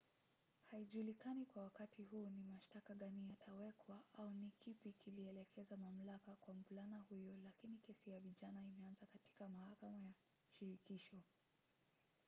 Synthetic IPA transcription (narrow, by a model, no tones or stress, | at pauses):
haiʄulikanikwawakatʰiɦuːnimaʃtakaɠanijatʰawɛkwaʔaunikipikiliɛlɛkʰɛzamam̩lakakwam̩bulanahujɔlakinikɛsijaviʄanaimɛanzakati̥kamahakamaja | uʃiɾikiʃɔ